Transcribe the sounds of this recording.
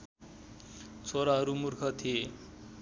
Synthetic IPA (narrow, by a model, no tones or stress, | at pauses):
t͡sʰoɾaɦʌɾumurkʰʌt̪ʰije